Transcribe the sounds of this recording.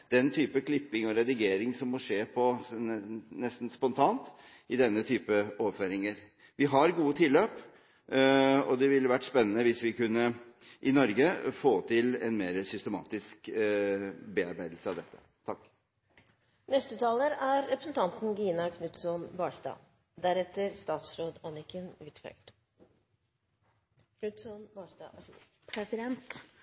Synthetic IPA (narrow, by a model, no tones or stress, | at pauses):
d̪̥ɛnt̪ʰyːpəkʰlɪpːɪŋɔɾɛd̪ɪɡeːɾɪŋsɔmːɔʂeːpʰɔ | nɛst̪n̩spɔnt̪ʰɑːnt̪ | ɪd̪ɛnːət̪ʰyːpəoːʋəføːɾɪŋəɾ | ʋɪɦɑɾɡuːət̪ʰɪlːøːp | ɔd̪ɛʋɪləʋæʈːspɛnːənəʋɪsʋɪkʉnːə | ʔɪnɔɾɡəfoːt̪ʰɪlɛnmeːɾəsʏst̪əmɑ̰ːt̪ɪsk | bɛɑɾbæɪd̪l̩səɑʋd̪ɛt̪ːə̥̰ | t̪ʰɑkː | nɛst̪ət̪ʰɑːləɾæɾːɛpɾəsnt̪ʰɑnt̪n̩ɡiːnɑkʰnʉt̪sɔnbɑːʂt̪ɑ̰ː | d̪æɾɛt̪ːəɾst̪ɑːt̪sɾoːd̪ɑnɪkənɪt̪fɛ̰lt̪ | kʰnʉt̪sɔnbɑʂt̪ɑ̰ | pʰɾɛsɪd̪ɛnt̪